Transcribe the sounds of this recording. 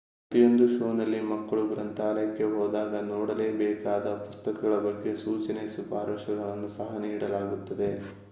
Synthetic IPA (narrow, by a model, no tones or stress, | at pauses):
pɾɐt̪ijo̞nd̪uʃoːnɐlːimɐkːɐɭuɡɾɐnt̪ʰaːlɐjɐkːe̞ɦoːd̪aːɡɐnɔːɽɐle̞ːbɛːkaːd̪ɐpust̪ɐkɐɡɐɭɐbɐɡːe̞suːt͡ʃɐnesubaːɾɐʃɐɡɐɭɐnːusɐɦɐniːɽɐlaːɡut̪ːɐd̪e̞